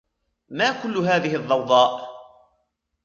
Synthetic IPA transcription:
maːkʊlːʊɦaːðɪɦɪðˤːɑwd̪ˤɑːʔ

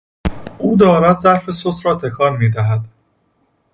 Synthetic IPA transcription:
ʔuːd̪ɒːɾæd̪zæɾfe̞sosɾɒːt̪ʰe̞kʰɒːnmiːd̪æɦæd̪̥

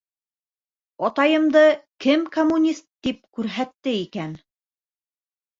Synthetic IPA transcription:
ɒt̪ɑjɤ̆md̪ɤkɘmkomːunʲist̪̚ːip̚kʉɾɦæt̪ːɘikæn

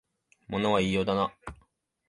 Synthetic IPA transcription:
mo̞no̞βaiːjod̪ana

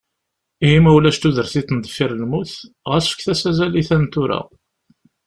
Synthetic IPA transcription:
iimæwlæʃt̪uðəɾθiθnd̪fiɾəlmuθ | ʁəsfə̥kθæsæzæliθænt̪ʊɾa̰

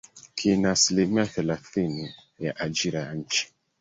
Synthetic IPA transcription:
kʰenasilemiafɛlaθini | jaʔad͡ʒiɾaan̩t͡ʃi̥

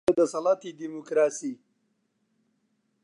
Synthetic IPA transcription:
ad̪əsalat̪id̪imukɾɑsi

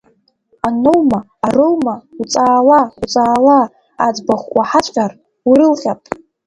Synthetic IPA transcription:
anowmaːrowmaut͡sʼaːlaut͡sʼaːla̰ː | d͡zbaχʷʼaħat͡ɕʷʼqʲʼar | wiɾɨlχʲapʼ

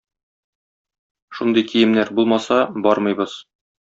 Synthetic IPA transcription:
ʃund̪ɤjkʰijɘ̆mnæɾbulˠmɑsɑbɒɾmɤ̆jbɤz̥

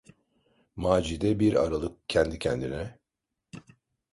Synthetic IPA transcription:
maːd͡ʒid̪ɛbiɾa̰ɾalˠɯk̚cʰɛnd̪icʰɛnd̪inɛ

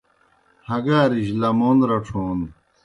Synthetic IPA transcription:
hɐɡaːɾiɕlɐmonɾɐʈ͡ʂʰoːn

